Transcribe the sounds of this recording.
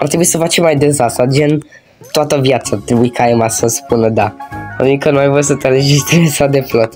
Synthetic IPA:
art̪ɾebuisəfat͡ʃemːajd̪ensasad͡ʒen | t̪oat̪əvjat̪saːrt̪ɾebuikajemasəspunəd̪aanuikənumajvojsət̪eɾed͡ʒist̪ɾesawd̪eflot̪

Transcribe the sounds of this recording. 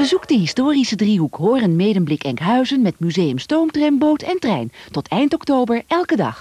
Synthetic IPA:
ʋəzukdəɦɪstoːrisədriɦukɦoːrənmejdənblɪkɛŋkɦœɥzənmɛtmyzejəmstowmtrɛmbowtɛntrɛjntɔtʰɛjntɔktowbəɹɛlˠkədɑ̰χ

